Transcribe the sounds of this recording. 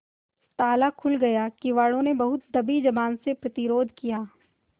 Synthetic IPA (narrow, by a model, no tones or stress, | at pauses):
t̪aːlakʰʊlɡɐjakiʋaːɽõnebɐɦʊt̪̚d̪ɐbid͡ʒɐbaːnsepɾɐt̪ɪɾoːd̪ʱkijaː